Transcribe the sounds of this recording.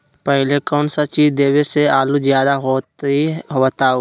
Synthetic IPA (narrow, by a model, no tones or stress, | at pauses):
pɛɦlekɔːnsat͡ʃiːzd̪eːweseaːluzjaːd̪aɦoiɦot̪ao